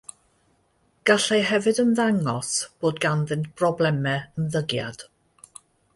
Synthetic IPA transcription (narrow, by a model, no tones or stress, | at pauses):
ɡ̥aɬejɦɛvɨdənðaŋɔsb̥oːdɡanðɨntb̥rɔblˠɛmɛənðəɡja̰d̥